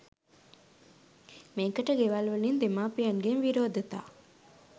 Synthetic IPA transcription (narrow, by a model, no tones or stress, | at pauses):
meːkəʈəɡeʋalʋəlind̪emaːpijɐŋɡenʋiɾoːd̪ət̪a̰ː